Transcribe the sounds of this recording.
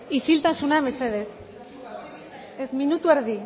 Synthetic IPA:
isilt̪asunaβeseðes | ezminut̪ueɾði

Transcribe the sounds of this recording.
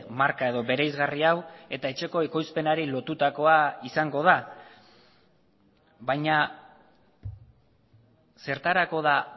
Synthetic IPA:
maɾkae̞ðo̞βe̞ɾejzɣariawe̞t̪ae̞t͡ʃe̞ko̞eko̞jspe̞naɾilo̞t̪ut̪ako̞aisaŋɡo̞ð̞a | βajɲa | se̞ɾt̪aɾako̞ð̞a

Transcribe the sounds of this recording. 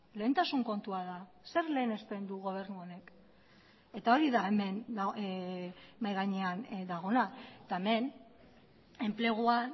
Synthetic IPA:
le̞ːnt̪asuŋko̞nt̪uaða | se̞ɾle̞ːne̞sp̪e̞nd̪uɣ̞o̞β̞e̞ɾnuo̞ne̞k | e̞t̪ao̞ɾiðaeme̞nd̪a | majɣaɲeand̪aɣ̞o̞nat̪ae̞me̞n | e̞mple̞ɣ̞ua

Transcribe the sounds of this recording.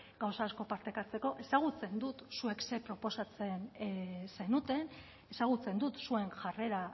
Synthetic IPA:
ɡawsaːsko̞paɾt̪ekat͡se̞ko̞ʔe̞saɣ̞ut͡se̞nd̪ut̪sue̞kse̞pɾo̞po̞sat͡se̞nsejnut̪e̞n | e̞saɣ̞ut͡se̞nd̪ut̪sue̞nʝare̞ɾa

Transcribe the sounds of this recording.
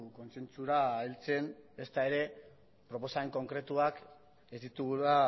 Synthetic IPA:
ko̞nse̞nt͡suɾaːilt͡se̞ne̞st̪ae̞ɾe̞ | pɾo̞po̞saeŋko̞ŋkɾe̞t̪uak | e̞zd̪it̪uɣua

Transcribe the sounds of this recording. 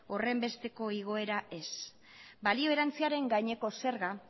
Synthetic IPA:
o̞re̞mbe̞st̪e̞ko̞iɣ̞o̞e̞ɾae̞s | balio̞e̞ɾant͡siaɾe̞ŋɡajɲe̞ko̞se̞ɾɣa

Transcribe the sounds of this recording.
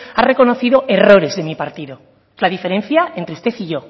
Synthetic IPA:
are̞ko̞no̞θiðo̞ʔe̞ro̞ɾe̞zðe̞mipaɾt̪iðo̞ | laðife̞ɾe̞n̟θjae̞nt̪ɾeust̪e̞θiʝo̞

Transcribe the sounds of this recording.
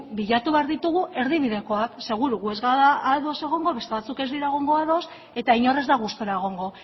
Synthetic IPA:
biʎat̪uβeaɾðit̪uɣ̞uʔe̞ɾðiβ̞iðe̞ko̞akse̞ɣ̞uɾuɣue̞zɣaðaaðo̞se̞ɣ̞o̞ŋɡo̞βe̞st̪e̞βat͡suke̞zd̪iɾaeɣ̞o̞ŋɡo̞aðo̞s | e̞t̪aiɲo̞re̞zd̪aɣ̞ust̪oɾaeɣ̞o̞ŋɡo̞

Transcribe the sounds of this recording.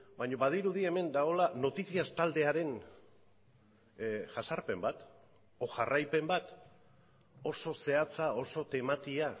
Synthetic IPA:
baɲo̞βað̞iɾuðie̞me̞nd̪ao̞lano̞t̪isiast̪ald̪e̞aɾe̞n | ʝasaɾpe̞mbat̪ | o̞ʝarajpe̞mbat̪ | o̞so̞se̞at͡sao̞so̞t̪e̞mat̪ia

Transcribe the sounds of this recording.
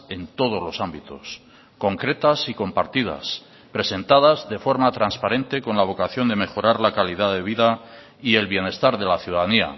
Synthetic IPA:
e̞nt̪o̞ð̞o̞zlo̞sambit̪o̞̰s | ko̞ŋkɾe̞t̪asiko̞mpaɾt̪iða̰s | pɾe̞se̞nt̪aðazðe̞fo̞ɾmat̪ɾanspaɾẽ̞nt̪e̞ko̞nlaβ̞o̞kaθjo̞nd̪e̞me̞xo̞ɾaɾlakaliðaðe̞β̞iða | ie̞lβje̞ne̞st̪aɾðe̞laθjuðaðania̰

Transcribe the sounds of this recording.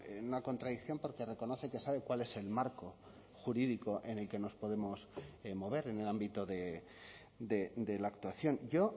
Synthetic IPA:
enunako̞nt̪ɾaðikθjo̞mpo̞ɾke̞re̞ko̞no̞θe̞ke̞saβe̞kwale̞se̞lmaɾko̞ | xuɾiðiko̞ʔe̞ne̞lke̞no̞spo̞ðe̞mo̞smo̞β̞e̞ɾe̞ne̞lambit̪oðe̞ | d̪e̞d̪e̞laːk̚t̪waθjo̞nɟ͡ʝo̞

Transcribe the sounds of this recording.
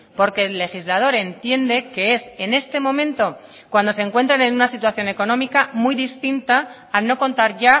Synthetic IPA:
po̞ɾke̞lːe̞xizlað̞o̞ɾe̞nt̪je̞nd̪e̞ke̞e̞se̞ne̞st̪e̞mõ̞mẽ̞nt̪o̞ | kwand̪o̞se̞ŋkwe̞nt̪ɾane̞nunasit̪̬waθjo̞ne̞ko̞nõ̞mikamujðist̪int̪aː | lno̞ko̞nt̪aɾʝa

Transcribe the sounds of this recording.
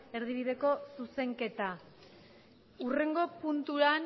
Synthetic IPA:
e̞ɾðiβ̞iðe̞ko̞suse̞ŋke̞t̪a | ure̞ŋɡo̞punt̪uɾan

